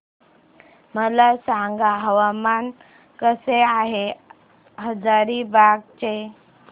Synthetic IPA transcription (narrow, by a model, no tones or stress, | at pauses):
məlasaŋɡaɦəʋaman | kəseaɦe | ɦəd͡zaɾibaɡ̚t͡ɕe